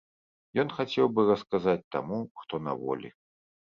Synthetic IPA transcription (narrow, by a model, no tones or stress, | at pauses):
jɔnxat͡sʲɛwbɨrɐskazat͡sʲt̪a̰muʂt̪ɔnɐ̰vɔ̰lʲḭ